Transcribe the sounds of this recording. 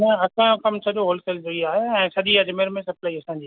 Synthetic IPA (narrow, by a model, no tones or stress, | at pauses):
nɐ̃ɐkãkɐmt͡ɕʰɐɗoɦoːlsɛːld͡ʑoiaːɦeɛ̃ːsɐʄiɐd͡ʑmeːɾmẽsɐplaːiɐsãːɲ̆d͡ʑiː